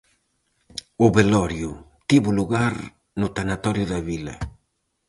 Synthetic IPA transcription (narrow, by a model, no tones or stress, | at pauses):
ʊβelɔɾjʊt̪iβʊluɣaɾ | nʊt̪anat̪ɔɾjʊðɐβilɐ̰